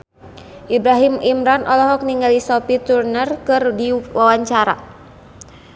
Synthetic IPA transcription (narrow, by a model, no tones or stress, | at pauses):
ʔibɾaɦimimɾanʔɔlɔɦɔk̚niŋɡalisɔpit̪urnərkɨrdiwʔawaɲt͡ʃaɾa̰